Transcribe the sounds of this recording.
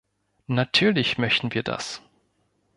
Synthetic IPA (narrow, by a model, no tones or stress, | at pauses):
natʰyːɐlɪçmœçtn̩viːɐda̰s